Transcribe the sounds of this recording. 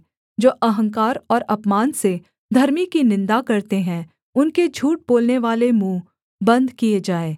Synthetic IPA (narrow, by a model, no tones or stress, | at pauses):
d͡ʒoːʔɐɦə̃ŋkaːɾɔːɾɐpmaːnse | d̪ʱɐɾmikinɪ̃nd̪akɐɾt̪eɦɛ̃ | ʊnked͡ʒʱuːʈ̚boːlneʋaːlemũː | bɐ̃nd̪ʱkied͡ʒaːeː